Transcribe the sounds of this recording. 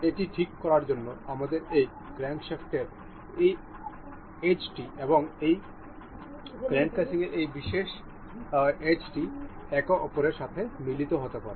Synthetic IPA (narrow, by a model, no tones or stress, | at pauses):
eʈiʈʰikːɔɾaɾd͡ʑonːoamad̪eɾej | ɡ̥ɾɛŋkʃefʈeɾ | ej | et͡ɕʈieboŋej | ɡɾɛŋkkasiŋeɾʔejbiʃeʃ | et͡ɕʈiɛkoʔɔpoɾeɾʃat̪ʰemilit̪oɦot̪epa̰ɾe